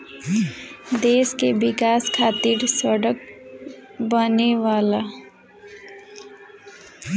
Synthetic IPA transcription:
d̪eːskebɪkaːskʰaːt̪iːɾsəɽək̚ | bəneʋaːla

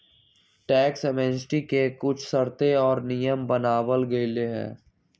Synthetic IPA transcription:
ʈɛːksɛmɛ̃ːnsʈikekʊt͡ʃʰsəɾt̪eɔːɾnijəmbənaːwəlɡɐileɦɛ̰̃ː

